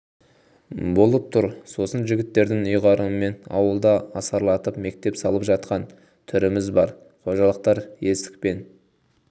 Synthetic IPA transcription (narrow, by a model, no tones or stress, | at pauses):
bo̞lˠəp̚t̪ʰʊɾso̞sənʒɪɡʲɪt̪ːe̞ɾd̪ɪŋʊjʁɑɾəme̞nɑ̰wəlˠd̪ɑɑsɑɾlˠɑt̪əpme̞k̚t̪e̞psɑlˠəpʒɑt̪̚qɑn | t̪ʰʏɾɪmɪzbɑɾ | qʰo̞ʒɑlˠəq̚t̪ɑɾje̞st̪ɪ̥k̚pe̞n